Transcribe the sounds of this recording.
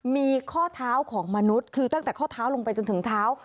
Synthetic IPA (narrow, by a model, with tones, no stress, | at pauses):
miː˧kʰɔː˥˩t̪ʰaː˦˥wkʰɔː˩˦ŋma˧nu˦˥t̪̚kʰɯː˧t̪a˥˩t̪ɛː˨˩kʰɔː˥˩t̪ʰaː˦˥wlo˧ŋpa˧jt͡ɕo˧nt̪ʰɯ˩˦ŋt̪ʰaː˦˥w